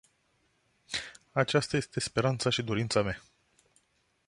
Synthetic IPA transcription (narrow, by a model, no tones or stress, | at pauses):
at͡ʃast̪aje̞st̪e̞spe̞ɾant̪saʃid̪oɾint̪samea